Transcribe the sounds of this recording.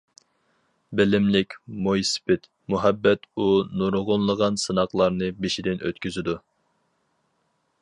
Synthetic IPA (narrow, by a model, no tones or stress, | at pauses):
bɪlɪmlɪkʲmojsɪ̥pʰɪt̪ | muɦɛbːɛt̪unoɾʁonlˠəʁɑnsɨnɑqlˠɑɾnɨbiʃid̪ɪnʔø̰t̪kʲyzɪd̪u